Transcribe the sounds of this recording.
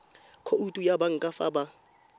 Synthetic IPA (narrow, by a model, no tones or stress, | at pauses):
kʰoutʼujabaŋ̩kʼafa̰ba